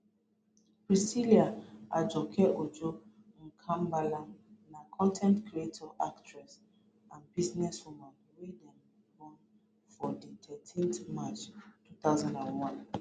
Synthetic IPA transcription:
bɹisiliaad͡ʒɔkʰɛʔod͡ʒo | ŋ̩kʰãmbalanakʰɔ̃ntʰɛ̃ntkʰɹietʰɔʔaktɹɛs | ãnbiznɛswumãn | wedɛ̃m | kɔ̃n | fɔdit̪ʰɛtʰĩntmat͡ʃtut̪aʊzãndãnwɔ̃n

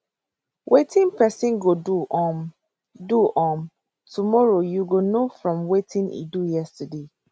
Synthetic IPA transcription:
wʔetʰĩnpɛsĩnɡoduɔm | duʔɔm | tumɔɹojuɡonofɹɔ̃mwetʰĩnḭdujɛstəde

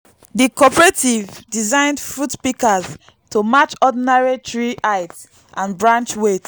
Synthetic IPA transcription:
dikɔpɹetivdizãɪ̃ndfɹutpikaz | tʰomat͡ʃɔdinaɹitʰɹiʔaɪt | ʔãnbɹãnt͡ʃwet

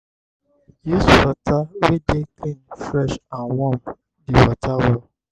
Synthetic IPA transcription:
jusfatawedeklĩnfɾɛʃãnwɔm | diwatʰawɔ

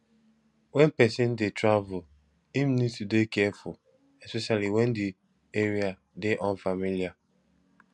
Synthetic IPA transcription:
wɛ̃npɛsɪ̃ndetɹavʊl | imnidtudekɛɛfʊ̰l | ɛspɛʃaliwɛ̃ndi | eɾia | deʔɔ̃nfamilija

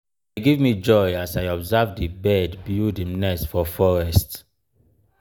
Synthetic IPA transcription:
deɡivmid͡ʒɔjasajɔbzavdibɛdbjudimnɛsfɔfɔɹɛst

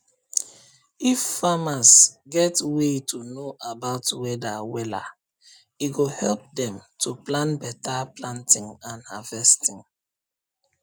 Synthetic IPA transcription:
ifːamasɡɛtwetʰunoʔabaʊtwɛdawɛla̰ | iɡohɛlp̚dɛ̃mtʰuplãnbɛtaplãntʰĩŋãnhavɛstĩŋ

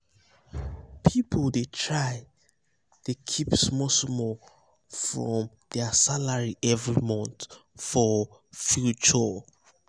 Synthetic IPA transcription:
pʰipʰoldetʰɹaɪ | d̥ekʰipsmɔsmɔ | fɹɔ̃m | dɛsalaɹiʔɛvɹimɔ̃nθfɔfjut͡ʃɔ

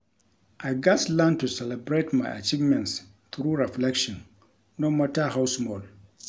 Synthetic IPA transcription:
ʔajɡaslantusɛlɛbɾetma̰ʔa̰t͡ʃivmɛ̃nts | t̪ɾuːɾɛflɛkʃɔn | nɔmɔtaɦawsmɔl

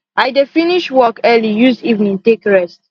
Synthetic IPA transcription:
ajdefiniʃwɔkɛlijuzdivnĩntekɹɛst

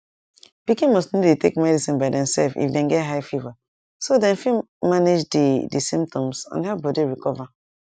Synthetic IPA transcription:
pikĩnmɔstnilitekmɛdisĩnbaɪdɛ̃msɛlfḭfdɛ̃nɡɛtɦaɪfiva | sodɛ̃nfi | maned͡ʒdidisĩmp̚tʰɔ̃msã̰nhɛpbɔdiɹikɔva

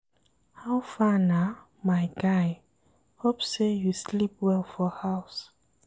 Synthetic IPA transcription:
hawfana | maɪjɡaj | hopsejuslip̚wɛlfɔhaws

